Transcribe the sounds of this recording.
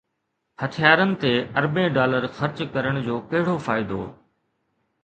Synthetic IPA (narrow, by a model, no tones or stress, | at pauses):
hɐt̪ʰijaːɾənɪ̆t̪eɐɾbẽɖaːləɾxɐɾt͡ɕkɐɾəɽ̃d͡ʑoːkɐɦɪɽofaːɪd̪o̰ː